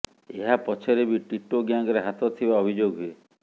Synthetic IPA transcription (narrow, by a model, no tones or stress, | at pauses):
eɦapɔt͡ʃʰeɾebiʈiʈoɡjaŋɡɔɾeɦat̪ɔt̪ʰibaɔbʱid͡ʒoɡɦue